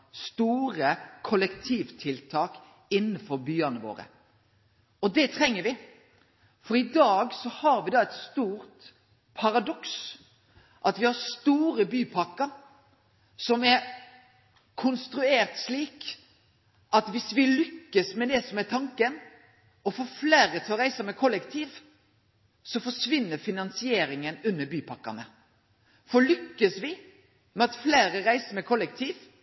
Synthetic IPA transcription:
st̪uːɾəkʰʊlɛkt̪ʰiːʋt̪ʰɪlt̪ʰɑːk | ɪnːənfɔɾbyːɑnəʋo̰ːɾə̰ | ɔd̪ɛt̪ʰɾɛŋːəɾʋɪ | fɔɾɪd̪ɑːɡsɔhɑɾʋɪd̪ɑɛɪt̪st̪uːɾt̪ | pʰɑɾɑd̪ɔks | ʔɑt̪ʋɪhɑɾst̪uːɾəbyːpʰɑkːəɾ | sɔmɛɾ | kʰʊnst̪ɾʉeːɾt̪ʂliːk | ʔɑt̪ʋɪsʋɪlʏkːəsmɛd̪ɛsɔmɛɾt̪ʰɑŋkən | ɔfoːfleːɾət̪ʰɪɔɾæɪsəmɛkʰɔlːɛkt̪ʰiːʋ | sɔfɔʂʋɪnːəɾfɪnɑnsɪeːɾɪŋənʉnːəbyːpʰɑkːɑ̰nə | fɔlʏkːəsʋɪ | mɛɑt̪fleːɾəɾæɪsəɾmɛkʰɔlːɛkt̪ʰiːʋ

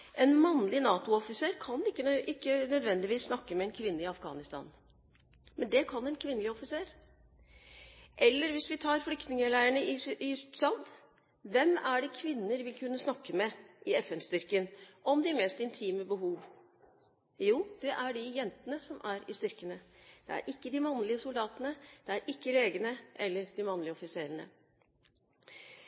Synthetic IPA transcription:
ʔɛnmɑnːlɪnɑːt̪ʊɔfɪseːɾkʰɑnɪkːəʔɪkːənœd̪ʋɛnd̪ɪʋiːsːnɑkːəmɛɛnkʰʋɪnːəɪɑfɡɑ̰ːnɪst̪ɑ̰ːn | mɛnd̪ɛkʰɑnɛnkʰʋɪnːəlɪɔfɪseːɾ | ʔɛlːəɾʋɪsʋɪt̪ʰɑːɾflʏkt̪nɪŋəlæɪəɳəɪɪt̪sɑnd̪ | ʋɛmæɖɛkʰʋɪnːəɾʋɪlkʰʉnːəsnɑkːəmɛʔɪɛfɛnst̪ʏɾkənʔɔmd̪ɪmɛːst̪ɪnt̪ʰiːməbəɦuːʋ | juːd̪̥ɛʔæɖɪjɛnt̪ənəsɔmʔæɾɪst̪ʏɾkənəd̪̥ɛ̰æ̰ɾʔɪkːəd̪ɪmɑnlɪəsʊld̪ɑːt̪ənəd̪̥ɛæɾʔɪkːəleːɡənəʔɛlːəɾd̪ɪmɑnlɪəɔfɪseːɾəɳə̰

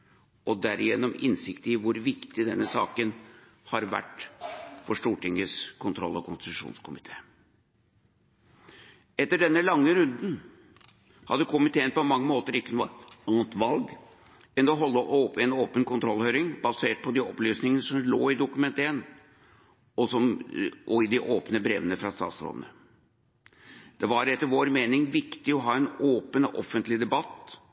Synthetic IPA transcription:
ʔɔd̪æɾɪjɛnːɔmɪnsɪkt̪əɪʋʊɾʋɪkt̪ɪd̪ɛnːəsɑ̰ːkən | hɑɾʋæ̰ʈ | fɔʂʈuːʈɪŋːəskʰʊnt̪ʰɾɔ̰lːɔkʰʊnst̪ɪt̪ʉʂṵːnskʰʊmɪt̪ʰe̥̰ː | ɛt̪ːəɖɛnːəlɑŋːəɾʉnd̪n̩ | hɑ̰d̪ːəkʰʊmɪt̪ʰeːənpɔmɑŋːəmoːt̪əɾɪkːənuɑːnt̪ʋɑlɡ | ɛnɔɦɔlːəʔopɛnoːpənkʊnt̪ʰɾɔlːhøːɾɪŋbɑseːʈ̚pʰɔd̪iɔplyːsnɪŋənəʂɔmlo̰ːɪd̪ʊkʉmɛnt̪əɛn | ɔsɔmʔɔɪd̪ɪʔoːpnəbɾḛːʋənəfɾɑst̪ɑ̰ːt̪sɾo̰ːd̪ən̩ə | d̪̥ɛʋɑɾɛt̪ːəɾʋoːɾmeːnɪŋʋɪkt̪ɪɔɦɑːɛnoːpənɔʔɔfənt̪lɪd̪ɛbɑt̪ː

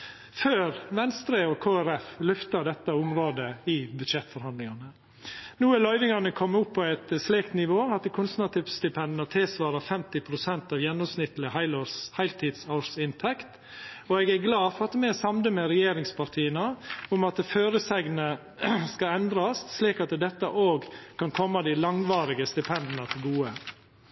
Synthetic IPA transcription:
føːɾʋɛnst̪ɾəɔkʰoːæɾɛflʉft̪ɑɖ̪ɛt̪ːəʊmɾoːd̪əɪbʉd̪ʃɛt̪ːfɔɾhɑnd̪lɪŋɑnə | nuːəlœʏʋɪŋɑnəkʰɔmːʊpʰːɔæɪt̪əsleːkt̪nɪʋoːɑt̪̚d̪ɛkʰʊnsənɑt̪ʰɪːʋst̪ɪpʰɛnd̪nɑt̪ʰɪlsʋɑːɾɑfɛmt̪ɪpʰɾʊsɛnt̪ɑʋjɛnːɔmsnɪt̪əlɪəhɑɪlhæɪlt̪ʰiːd̪sɑsɪnt̪ʰɛkt̪ | ɔɛɡæɡlɑːfɔɾɑt̪mɛsɑmd̪əmɛɾɛjeːɾɪŋspɑɾt̪ʰiːənəʊmɑt̪̚əføːɾəsɛɡnə | skɑɛnd̪ɾɑssliːkɑt̪d̪ɛt̪ːəʔoːɡkʰɑnkʰɔmːɑd̪ɪlɑŋʋɑːɾɪɡəst̪ɪpʰɛnd̪ənɑt̪ʰɪlɡuːə

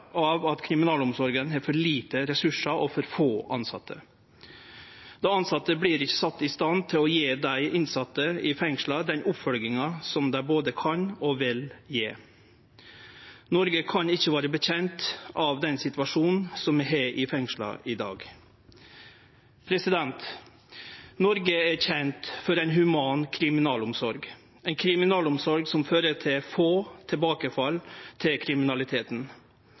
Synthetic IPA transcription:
ɑʋɑt̪kʰɾɪmɪnɑːlʊmsɔɾɡənɦɛːɾfɔɭiːt̪əɾɛsʉʂɑʔɔfɔɾfoːʔɑnsɑ̰t̪ʰːə̰ | d̪̥ɔɑnsɑt̪ːəbliːɾɪçːə̥sɑt̪ːɪst̪ɑnt̪ʰɪlɔjeːd̪æɪʔɪnsɑt̪ːəɪfɛŋʂlɑd̪ɛnʔʊpfɔlɡɪŋɑsɔmd̪æɪboːd̪əkʰɑnɔʋɪljeː | nɔɾɡəkʰɑnɪçːəʋɑːɾəbəçɛnt̪ʔɑːʋd̪ɛnsɪt̪ʋɑʂuːnn̩sɔmɛɦeːʔɪfɛŋʂlɑ̰ʔɪd̪ɑ̰ːɡ | pʰɾɛsɪd̪ɛnt̪ | nɔɾɡəæɾçɛnt̪fɔɾæɪnɦʉmɑːnkʰɾɪmɪnɑːlʊmsɔɾɡ | ɛɪnkʰɾɪmɪnɑːlʊmsɔɾɡsɔmføːɾət̪ʰɪlfoːt̪ʰɛbɑːkəfɑlt̪ʰɪlkʰɾɪmɪnɑlɪt̪ʰeːt̪n̩

